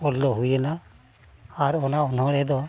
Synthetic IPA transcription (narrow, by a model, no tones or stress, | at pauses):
ɔlːɔɦujɛna | aɾɔnaɔnɔɽɛd̪ɔ